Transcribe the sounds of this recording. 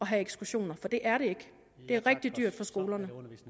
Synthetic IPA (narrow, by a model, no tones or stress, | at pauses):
ɒ̽ɦæeɡ̥sɡ̥uɕo̝̰ːnɐfɒ̽d̥e̝ʔæɐɾe̝e̝ɡ̥ | d̥e̝æɐʁɛɡ̥̚d̥id̥yɐ̰d̥fɒ̽sɡ̥o̝ːlɐnə